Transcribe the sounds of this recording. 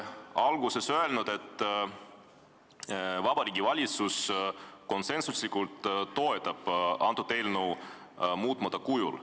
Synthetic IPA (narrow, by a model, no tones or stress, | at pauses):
ɑlɡuse̞søe̞lnud̪e̞t̪ːˑ | vɑb̥ɑɾiːɡ̥ivɑlʲit̪susko̞nse̞nsuslikult̪ːo̞et̪ːˑɑb̥ɑnt̪ːˑud̪e̞ːlnuw | muːt̪ːˑmɑt̪ːˑɑkujṵl